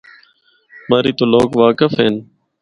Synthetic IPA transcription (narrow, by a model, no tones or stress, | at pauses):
maːɾiːt̪oːloːɡʋaːkəfɦeːn